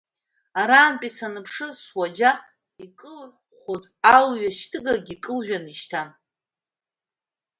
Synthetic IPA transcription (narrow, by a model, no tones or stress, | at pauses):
aɾaːnpʼisanɨpʰʂɨswad͡ʒa | ikʼɨlʕʷ | χʷozʼalɥaʃtʰɨɡaɡʲikʼɨlʒʷᶣaniʃtʰan